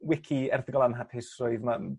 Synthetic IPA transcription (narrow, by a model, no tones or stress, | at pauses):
wɪkʰiɛrθɪɡɔlˠanɦapʰɪsrʊɨðma